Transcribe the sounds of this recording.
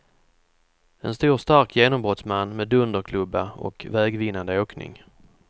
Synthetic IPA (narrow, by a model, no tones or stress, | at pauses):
ɛnst̪uːɾst̪aɾkjeːnɔmbɾɔt̪smanːmeːd̪ɵnd̪əɾkʰlɵbːaɔ̰kvɛːɡvɪnːand̪əoːknɪ̰ŋ